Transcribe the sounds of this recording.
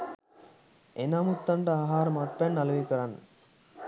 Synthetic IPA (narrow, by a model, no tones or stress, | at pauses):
enamut̪ːaɳɖəaːɦaːɾəmat̪̚pænːalɐʋekəɾanːə